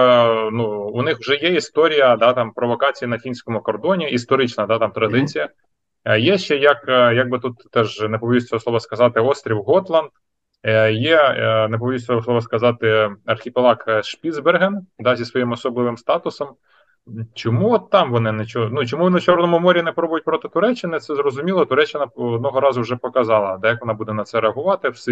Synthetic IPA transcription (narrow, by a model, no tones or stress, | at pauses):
nuːnɪxwʒɛjɛist̪ɔɾʲijɐd̪ɑt̪ɑmpɾɔʋɔkɑt͡sʲijinɐfʲinʲsʲkɔmʊkɔrd̪ɔnʲiist̪ɔɾɪt͡ʃnɐd̪ɑt̪ɑmt̪ɾɐd̪ɪt͡sʲijɐ | jɛʃt͡ʃɛjɐkjɐɡ̚bɪt̪ut̪ːɛʒnepɔʋʲisʲsʲslˠɔʋɐskɐzɑt̪ɪɔst̪ɾʲiwɦɔt̪lˠɐnd̪ | jɛnep̬ɔʋʲʋʲisʲɛɔslˠɔʋɐskɐzɑt̪ɪɐrxʲipelˠɑkʃpʲid̪zberɦɛnd̪ɑzʲisʋɔjimɔsɔblˠɪʋɪmst̪ɑt̪ʊsɔm | t͡ʃɔmuɔt̪ːɑmʋɔnɪnet͡ʃɔnut͡ʃɔmuʋʲinʊt͡ʃɔrnɔmʊmɔɾʲinɛpɾɔbʊjʊt̚ʲpɾɔt̪ɪt̪ʊɾɛt͡ʃːɪnɪt̪sɛzrɔzʊmʲilˠɔt̪ʊɾɛt͡ʃːɪnɐɔd̪nɔɦɔɾɑzʊwʒɛpɔkɐzɑlˠɐd̪ɐjɐkʋɔnɑbud̪ɛnɐt̪sɛɾeɐɦʊʋɑt̪ɪws